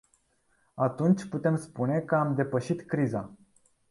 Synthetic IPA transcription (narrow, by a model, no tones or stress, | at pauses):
at̪unt͡ʃʲput̪e̞mspune̞kəamd̪e̞pəʃit̪kɾiza